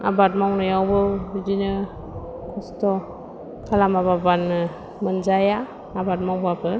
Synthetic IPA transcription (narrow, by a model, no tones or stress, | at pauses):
a̰bat̚mawnɯjawbɯidinɯ | kʰɔstɔ | kʰalamababanɯ | mɯnzaja | abat̚mawbabɯ